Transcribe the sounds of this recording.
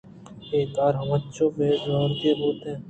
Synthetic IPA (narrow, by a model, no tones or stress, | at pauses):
eːt̪aːɾɦɐmətːʃʰõːmẽzɔːɾɡeːboːt̪ɦɛ̃ː